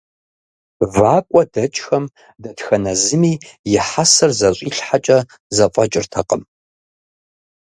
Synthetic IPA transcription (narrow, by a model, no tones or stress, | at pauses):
vaːkʷʼɔdɐt͡ʃʼxɐm | dɐtxɐnɐzɨmiːjɪħasɐrzɐɕʷʼiːɬħat͡ʃʼɐ | zɐpʼɐt͡ʃʼɪrtʰɐqəm